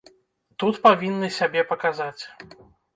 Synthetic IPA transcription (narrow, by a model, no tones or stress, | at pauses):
t̪ut̪pavʲinːɨsʲabʲɛpɐkazat͡sʲ